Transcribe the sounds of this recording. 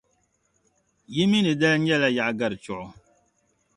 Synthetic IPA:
ji˦mi˦ni˨dɛ˦lɲɛ˦˨lɛ˦ja˨ʔɡa˦˨ɾt͡ʃɔ˨

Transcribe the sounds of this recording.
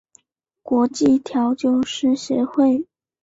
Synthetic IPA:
kwɔ˧˥t͡ɕi˥˩t̪ʰjɑ˧˥ʊt͡ɕjo˥˧ʊʂɻ̩˥˩ɕɥɛ˧˥xwe˥˩ɪ

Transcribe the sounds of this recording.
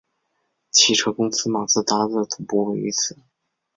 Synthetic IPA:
t͡ɕʰi˨˥˩ʈ͡ʂʰɤ˥kʊ˥ŋsɹ̩˥ma˨˩t͡sɹ̩˥˩t̪a˥t͡sɹ̩˥˩t̪ʰʊ˨˩ŋpu˥we˧˥˩y˧˥t͡sʰɹ̩˨˩˦

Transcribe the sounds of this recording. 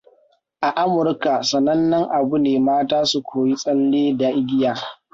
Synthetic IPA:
ʔa˨ʔa˦mʊ˨rka˨sɐ˨nɐ˦nːɐ˦ŋʔa˨bu˦neː˨maː˦taː˦su˨kʷʰoː˨ji˦sʼɐ˦lːeː˦daː˦ʔɪ˦ɡʲɪ˦jaː˨

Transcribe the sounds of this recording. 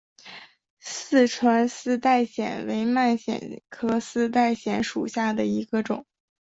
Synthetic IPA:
sɹ̩˥˩ʈ͡ʂʰwa˧˥nsɹ̩˥˧t̪a˥˩ɪɕjɛ̰˨˩nwe˧˥ɪma˥˩nɕjɛ̰˨˩nkʰɤ˥sɹ̩˥˧t̪̬a˥˩ɪɕjɛ˧˥nʂu˨˩ɕja˥˩d̪ə˩i˧˥ɡə˧ʈ͡ʂʊ̰˨˩˦ŋ

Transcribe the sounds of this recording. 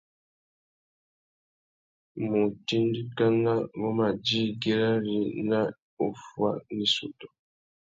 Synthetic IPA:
mu˨ti˦ndi˦ka˦na˦ŋɡɔ˦ma˨d͡ʒi˦ɡe˦ɾa˦ɾi˨na˦ | u˨fwa̰˦ni˦sṵ˨tɔ̥˨

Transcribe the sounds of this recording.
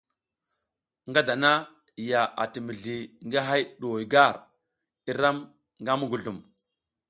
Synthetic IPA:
ŋɡa˦da˨na˦˨ | ja˨a̰˨ti˨mi˨ɮi˨ŋɡa˦ɦa˦jɗo˨wɡa˦˨ɾ | i˦ɾa˦m | ŋɡa˦mu˦ɡu˨ɮu˨m

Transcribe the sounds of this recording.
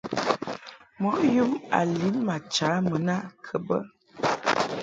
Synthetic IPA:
mɔ˨˦ju˦ma̰˨li˨˦nma˨t͡ʃa˨˦mə˨na˦˨kʰə˨bə˦

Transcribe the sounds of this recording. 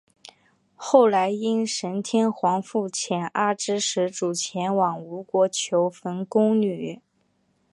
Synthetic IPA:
xo˥˩ʊla˧˥ɪi˥nʂə˧˥nt̪ʰjɛ˥nxwɑ˧˥ŋfu˥˩t͡ɕʰjɛ˨˩na˥˩ʈ͡ʂɻ̩˥ʂɻ̩˧˥ʈ͡ʂu˨˩t͡ɕʰjɛ˧˥nwɑ˨˩ŋu˧˥kwɔ˧˥t͡ɕʰjo˧˥ʊfə˧˥nkʊ˥ŋny˨˩

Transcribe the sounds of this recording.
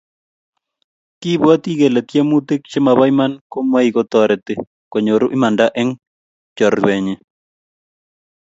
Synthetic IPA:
ki˦bwa˦t̪i˦ɡe˨la˨t̪je˦mu˦t̪e˦k̚t͡ʃe˦ma˨ba˦ima˦nko˦mwa˦i˨ɡɔ˦t̪ɔ˨ɾɛ˨t̪e˨ | ko˨ɲo˨ɾu˦ʔi˦ma˨nda˦ʔɛ˦ŋ | t͡ʃɔ˨ɾwɛ˨ɲɛ˨

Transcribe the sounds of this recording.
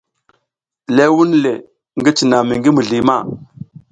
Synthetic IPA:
le˦wu˦nle˨ | ŋɡi˦t͡ʃi˨na˨mi˨ŋɡi˦mu˨ɮi˨ma˦˨

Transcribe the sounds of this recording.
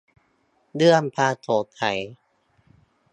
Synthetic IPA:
dɯ˥˩əmpʰaː˧t̪ʰoː˨˩˦t̪ʰa˨˩˦j

